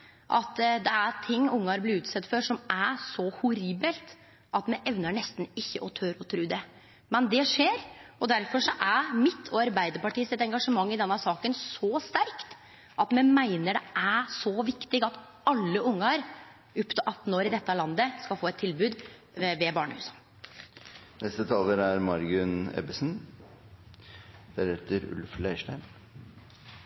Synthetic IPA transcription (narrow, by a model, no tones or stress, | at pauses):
ʔɑt̪d̪ɛæɾt̪ʰɪŋːʊŋːɑɾblɪɾʉːt̪sɛt̪ːfɔʂɔmʔæɾsɔhʊɾiːbəlt̪ | ʔɑt̪mɛʔɛʋnəɳɛst̪n̩ɪçːəʔɔt̪ʰøɾɔt̪ʰɾʉːd̪ɛ | mɛnd̪ɛʂeːɾɔd̪æɾfɔʂɔʔæɾmɪt̪ʰɔɑɾbæɪd̪əɾpɑʈiːsɪt̪ɛŋɡɑʂəmɑŋːɪd̪ɛnːɑsɑːkənsɔst̪æɾkt̪ | ʔɑt̪mɛnmæɪnəɖɛʔæsɔʋɪkt̪ɪɡɑt̪ | ɑlːəʔʊŋːɑɾ | ʉpːt̪ʰɔʔɑt̪ːn̩oːɾɪd̪ɛt̪ːəlɑnd̪əskɑlfoːɛt̪ʰːɪlbʉːd̪ | ʋɛbɑːɳəhʉ̰ːsə̥ | nɛst̪ət̪ʰɑːləɾæɾmɑɾɡʉnɛ̰bəsn | d̪ɛɾeːt̪əɾʉ̰lflæɪʂʈæɪm